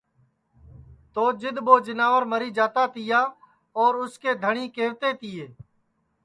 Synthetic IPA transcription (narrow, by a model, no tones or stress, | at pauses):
t̪oːd͡ʒɪd̪boːd͡ʒɪnaːʋəɾməɾiːd͡ʒaːt̪aːt̪ɪjaː | ɔːɾʊskeːd̪ʱəɳĩːkeːʋt̪eːt̪ɪjeː